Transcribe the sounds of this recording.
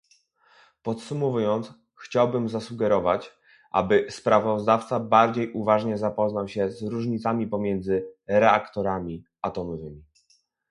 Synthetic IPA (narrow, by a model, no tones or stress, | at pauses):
pɔt̪sumɔvujɔnt̪s | xt͡ɕawbɘmzasuɡɛɾɔvat͡ɕ | ʔa̰bɘspɾavɔzd̪aft̪sabaɾd͡ʑejʔuvaʐɲɛzapɔznawɕɛzɾuʐɲit̪samʲipɔmʲjɛnd̪zɘɾɛakt̪ɔɾamʲi | at̪ɔmɔvɘmʲi